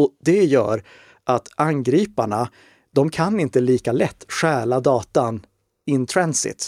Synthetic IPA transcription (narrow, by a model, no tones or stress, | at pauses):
ɔd̪ɛjœ̰ːɾ | ʔat̪anɡɾiːpaɳa | d̪̥ɔmkʰanɪnt̪əliːkalɛt̪ːɧæːɭad̪ɑːt̪an | ɪnt̪ʰɾɛnsɪ̰t̪